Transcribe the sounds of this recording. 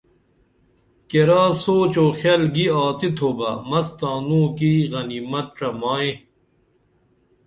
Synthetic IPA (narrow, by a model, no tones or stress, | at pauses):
keɾaːsoːt͡ɕoːxelɡiaːt͡sit̪ʰoːbɐmɐst̪aːnũːkiɣɐniːmɐt̪̚ʈ͡ʂɐmaːẽ